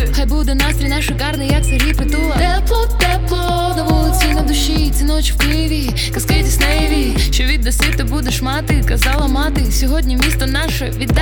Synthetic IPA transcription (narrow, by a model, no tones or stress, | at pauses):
xajbud̪ɛnast̪ɾʲinɑʃɪkɑrnɪjɐk̚sɐɾʲipɪt̪ulˠɐt̪ɛplˠɔt̪ːɛplˠɔ | d̪ɐʋɔlˠɪt͡sʲinɐd̪ʊʃit͡sʲinɔt͡ʃwkɪʋʲi | kɐskɪjt̪ʲisnɛʋʲi | ʃɔʋʲid̪ːɐsʲit̪ːɪbud̪ɛʃmɑt̪ɪkɐzɑlˠɐmɑt̪ɪsʲɔɦɔdʲnʲimʲist̪ɔnɑʃɛʋʲid̪ː